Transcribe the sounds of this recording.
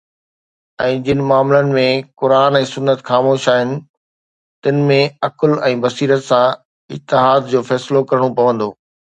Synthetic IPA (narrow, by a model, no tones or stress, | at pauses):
ɛ̃ːd͡ʑɪnɪ̆maːmlənɪ̆mẽkʊɾaːnɛ̃ːsʊnːət̪xaːmoːʃaːɦɪnɪ̆ | t̪ɪnɪ̆mẽɐklɛ̃ːbɐsiːɾət̪sã | ɪ̰t̪ːɪɦaːd̪d͡ʑoːfɛːsɪlokɐɾəɽ̃opɐʋə̃nd̪oː